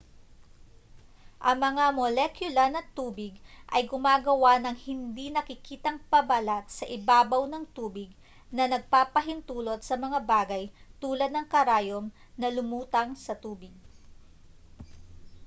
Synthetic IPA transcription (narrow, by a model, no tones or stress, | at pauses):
ʔɐŋmɐŋamolɛkjʊlɐnɐt̪uːbɪɡʔɐjɡʊmaːɡɐwanɐŋhɪnd̪inɐkɪkiːt̪ɐŋpɐbɐlat̪̚sɐʔɪbaːbɐwnɐŋt̪uːbɪɡ̚ | nɐnɐɡ̚paːpɐɦɪnt̪uːlo̞t̪̚sɐmɐŋabaːɡɐjt̪uːlɐd̪nɐŋkɐɾaːjom | nɐlʊmuːt̪ɐŋsɐt̪uːbɪɡ̚